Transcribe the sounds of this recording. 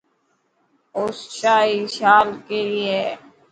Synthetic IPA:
osʃaːiʃaːlkelie

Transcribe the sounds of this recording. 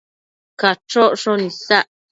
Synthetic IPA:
kat͡ʃoʔʂonĩsaʔ

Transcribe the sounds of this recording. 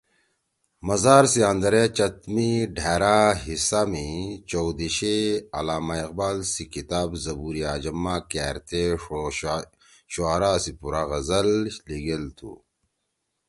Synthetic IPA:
mɐzaːɾsiãnd̪ɐɾet͡ɕɐt̪miɖʱeːɾaɦisamit͡ɕowd̪iɕeɐlaːmaiq̚baːlsikit̪aːbzɐbuːɾiaːd͡ʑɐmːaːkɛːɾt̪ʰe | ɕoaɾaːsipuɾaɣɐzɐlliɡelt̪ʰṵ

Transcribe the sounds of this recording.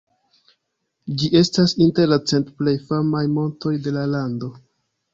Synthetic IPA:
d͡ʒiʔe̞stasinte̞ɾlat͡se̞ntple̞jfamajmo̞nto̞jde̞lalando̞

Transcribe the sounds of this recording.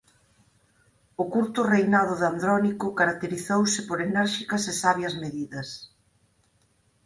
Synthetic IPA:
ʊkuɾt̪ʊrejnaðʊðand̪ɾɔnikʊkaɾak̚t̪eɾiθowsɪpoɾenɛɾʃikɐsesaβjɐzmeðiðɐs

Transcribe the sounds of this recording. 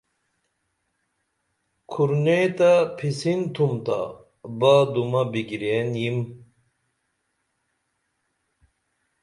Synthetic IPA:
kʰuɾnet̪ɐpʰisint̪ʰumt̪a̰ | bad̪umɐbiɡiɾeːnjim

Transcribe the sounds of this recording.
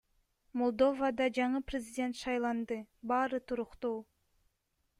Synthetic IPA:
molˠd̪o̞vad̪ɑd͡ʒɑɴɯprʲɪzʲidʲe̞nt̪ʃɑjlˠɑnd̪ɯbɑːɾɯt̪ʰuɾuqt̪uː

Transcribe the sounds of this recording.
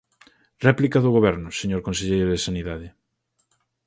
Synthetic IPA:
rɛplikaðʊɣoβɛɾnʊseɲoɾkõnseʎejɾʊðesaniðaðɪ

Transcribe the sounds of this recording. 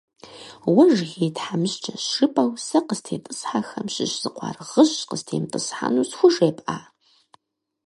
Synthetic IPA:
wʊʒɣeːtħamɨɕt͡ʃʼɐɕʂɨpʼɐwsɐqəstʰeːpʼɨsħaxɐmɕɪ̰ɕz̥ɨqʷɑ̰ːrʁəɕqəstʰeːmpʼɨsħa̰nusxʷʊʒeːpʼʔaː

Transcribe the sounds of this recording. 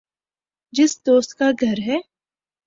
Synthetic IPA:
d͡ʒɪsd̪oːst̪kaɡʱɐɾɦɛː

